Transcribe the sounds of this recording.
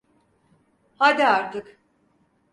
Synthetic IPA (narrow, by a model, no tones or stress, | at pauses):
had̪iaɾt̪ʰɯk